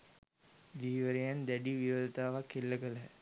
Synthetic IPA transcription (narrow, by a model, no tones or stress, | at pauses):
d̪iːʋəɾejand̪æɖiʋiɾoːd̪ət̪aːʋakːelːəkələ